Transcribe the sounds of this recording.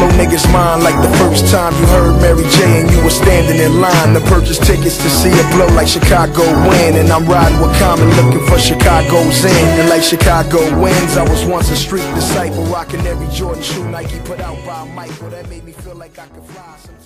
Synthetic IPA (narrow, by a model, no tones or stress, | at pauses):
oʊnɪɡɨzmãɪ̃ndˡlaɪk̚ðəfɜ˞stʰãɪ̃mjɨhɜ˞d̚mɛɹid͡ʒeɪɨ̃njɨwə˞stæ̃ndɪ̃ŋɨ̃nlãɪ̃nðəpʰɜ˞t͡ʃɨstʰɪkɨtstʰɨsiɨbloʊlaɪkʃɨkʰɑɡoʊwɪ̃nɨ̃nãɪ̃mɹaɪɾɪ̃ŋwəkʰʌ̃mɨ̃nlʊkɪ̃ŋfə˞ʃɨkʰɑɡoʊzɪ̃nɨ̃nlaɪkʃɨkʰɑɡoʊwɪ̃nzaɪwʌzwʌ̃nsɨstɹ̥it̚d̥ɨsaɪpəl̩ˠɹɑkɨ̃nɛvɹid͡ʒɔʔⁿn̩ʃunaɪkjɨpʰʊɾaʊt̚b̥aɪmaɪk̚b̥ʌɾɨt̚meɪd̚mifilaɪkaɪkɨd̥flaɪs